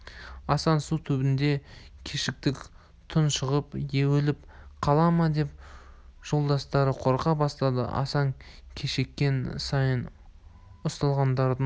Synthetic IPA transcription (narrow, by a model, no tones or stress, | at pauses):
ɑsɑnsut̪ʰɵbɪnd̪e̞kʲʰeʃɪk̚t̪ɪkʲ | t̪ʰʊnʃəʁəpjewelɪp | qʰɑlˠɑmɑd̪e̞p̚ | ʒ̥o̞lˠd̪ɑst̪ɑɾəqʰo̞ɾqɑbɑst̪ɑd̪ə̰ʔɑ̰sɑŋkʲʰeʃe̞kʲːe̞nsɑjən | ʊst̪ɑlˠʁɑnd̪ɑɾd̪ə